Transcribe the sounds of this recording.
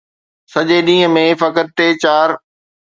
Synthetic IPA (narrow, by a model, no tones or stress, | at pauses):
sɐʄeɗĩːə̃mẽfɐkəɾt̪eːt͡ɕaːɾ